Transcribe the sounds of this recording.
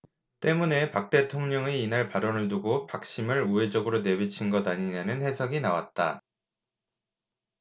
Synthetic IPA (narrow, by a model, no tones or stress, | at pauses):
t͈e̞mune̞pak̚t͈e̞tʰoŋɲʌŋeinaɭpaɾʌnɯɭt̬uɡopak̚ɕ͈imɯɭue̞d͡ʑʌɡɯɾone̞bit͡ɕʰinɡʌdaɲiɲanɯnhe̞sʰʌɡinawa̰t̚t͈a̰